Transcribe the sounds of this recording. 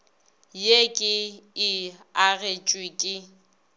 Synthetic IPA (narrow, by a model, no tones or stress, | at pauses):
jekʼɪɪaɣet͡ʃʼwikʼɪ